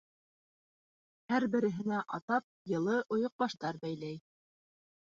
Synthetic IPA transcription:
hæɾbɘ̆ɾɘ̆ɦɘ̆næʔɑt̪ɑp̚jɤ̆lˠɤʔŏjŏq̚bɑʃt̪ɑɾbæjlæj

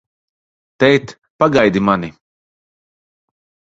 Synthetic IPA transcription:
t̪ɛjt̪ | paɡajd̪imani

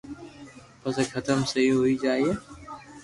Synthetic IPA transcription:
pəsekʰət̪əmsəɦiɦoiːd͡ʒaːieː

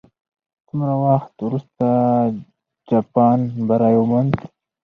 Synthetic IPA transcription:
sumɾawaxt̪wɾust̪a | d͡ʒɑpɑnbaɾɑjomand

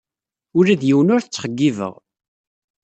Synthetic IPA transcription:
ʊɾæðjiwənʊɾθət͡sːχəɡːivə̰ʁ

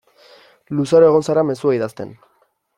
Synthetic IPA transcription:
lusaɾoe̞ɣo̞nsaɾame̞suaiðast̪e̞̰n

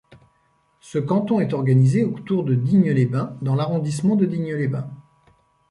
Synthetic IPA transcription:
səkɑ̃t̪ɔ̃ɛt̪ɔʁɡanizeot̪uʁd̪əd̪iɲəlebɛ̃d̪ɑ̃laʁɔ̃d̪ismɑ̃d̪əd̪iɲəlebɛ̃

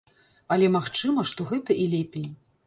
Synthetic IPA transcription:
ɐlʲɛmaxt͡ʂɨmɐʂt̪ɔɣɛt̪ɐʔilʲɛpʲej

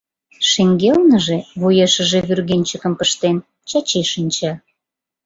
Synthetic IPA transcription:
ʃeŋɡelnəʒeβujeʃə̆ʒeβyrɣenʲt͡ɕəkə̆mpəʃt̪en | t͡ɕɑt͡ɕeʃinʲt͡ɕɑ

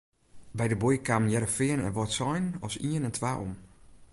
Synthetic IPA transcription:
bɛjdəbojkamnjɛɾəfɪənɛ̰nʋɔtsɔjnɔsiənɛntʰʋaːʔo̰m

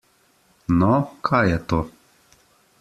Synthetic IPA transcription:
nɔkʰajjɛt̪o

